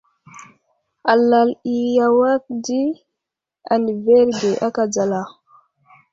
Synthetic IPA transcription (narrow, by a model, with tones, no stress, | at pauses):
a˨la˨li˨ja˨wa˦k̚di˦ | a̰˨ni˨ve˦ɾɡe˨ʔa˦ka˨d͡za˨la˨